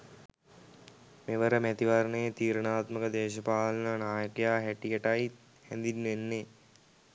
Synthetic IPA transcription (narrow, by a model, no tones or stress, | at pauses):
meʋəɾəmæt̪iʋaɾənəjet̪iːɾənaːt̪məkəd̪eːʃəpaːlənənaːjəkejaːɦæʈijəʈai | hɛnd̪inːʋenːe